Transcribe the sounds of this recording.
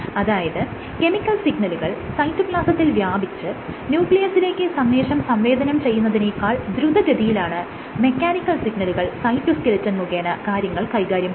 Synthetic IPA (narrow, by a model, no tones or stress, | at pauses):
ɐðaːjɐðɨ | ke̞mikʲːɐlsiɡɳɐluɣɐɭsɐjtːukɭaːsɐt̪ːilʋjaːbʱit͡ɕːɨnjuːkɭijɐsile̞ːkʲːɨsɐmʋe̞ːʂɐmsɐmʋe̞ːd̪ʱɐnɐmt͡ɕe̞jːunːɐðinejkːaːɭd̪ɾud̪ʱɐɾɐd̪ijilaːɳɨ | me̞kʲːaːnikːɐlsiɡɳɐluɣɐɭsɐjtːuskɐlit͡ɕːɐnmuɣeːnɐkaːɾjɐŋːɐɭkɐjɣaːɾjɐm